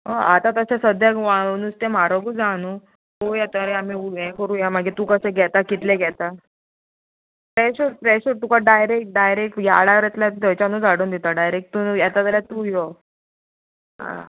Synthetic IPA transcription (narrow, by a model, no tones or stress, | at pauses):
ɦɔat̪at̪əsesəd̪jakʋanust̪emaɾoɡuːd͡zanu | ɦojat̪əɾeamiuɦɛkəɾuːjamaɡet̪uːkəseɡʱɛt̪akit̪leɡʱɛt̪a | pɾɛɕuɾpɾɛɕuɾt̪ukaɖajɾek̚ʈ̚ɖajɾek̚ʈja̰ɽaɾɛt̪ljad̪ʱəjt͡ɕanud͡zaɽuːnd̪it̪aɖajɾek̚ʈt̪unjɛt̪at̪əljat̪uːjɔ | ɦa̰